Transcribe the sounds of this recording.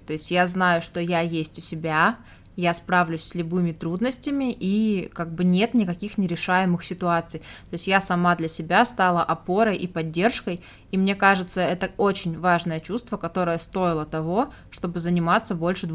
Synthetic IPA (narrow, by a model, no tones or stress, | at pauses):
t̪o̞ɪsʲtʲjaznajʊʂt̪o̞jajesʲtʲʊsʲɪbʲa | jaspɾavlʲʊsʲsʲlʲʊbɨmʲɪt̪ɾud̪nəsʲtʲɪmʲɪʔikaɡ̚bɨnʲe̞t̪nʲɪkɐkʲixnʲɪɾʲɪʂajɪmɨxsʲɪt̪ʊat̪sɨjt̪o̞ɪsʲtʲjasɐmad̪lʲɐsʲɪbʲast̪alˠəʔɐpo̞ɾəjʔipɐdʲːe̞rʂkəj | imnʲe̞kaʐɨt̪səɛt̪əo̞t͡ɕɪnʲvaʐnəjət͡ɕust̪vəkɐt̪o̞ɾəjəst̪o̞ɪlˠət̪ɐvo̞ | ʂt̪o̞bɨzənʲɪmat̪səbo̞lʲʂɨd̪